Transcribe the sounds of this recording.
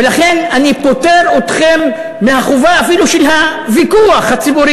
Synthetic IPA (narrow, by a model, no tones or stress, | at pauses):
elaχenanipo̞te̞ɾot̪χe̞mː | ehaχuvaːfiluʃelɦavikuaχhat͡sibuɾi